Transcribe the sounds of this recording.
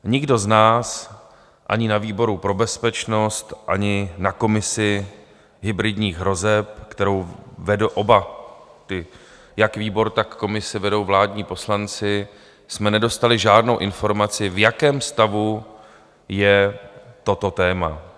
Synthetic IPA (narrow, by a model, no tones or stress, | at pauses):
ɲɪɡdo̞znaːs | ʔa̰ɲɪnaviːbo̞ɾupɾo̞bɛspɛt͡ʃno̞st̪ʔaɲɪnako̞mɪsɪ | ɦɪbɾɪdɲiːɣɦɾo̞zɛp̚kt̪ɛɾo̞wvɛdoʔobat̪ɪ | jakviːbo̞ɾt̪akːo̞mɪsɪvɛdo̞wvlaːdɲiːpo̞slant͡sɪ | smɛnɛdo̞st̪alɪʒaːdno̞wʔɪnfo̞ɾmat͡sɪvjakɛːmst̪avu | jɛt̪o̞t̪o̞t̪ɛːma